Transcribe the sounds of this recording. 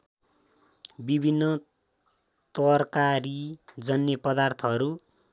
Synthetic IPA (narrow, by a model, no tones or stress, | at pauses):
bibʱinːʌ | t̪ʌrkaɾid͡zʌnjʌpʌd̪art̪ʰʌʌɾu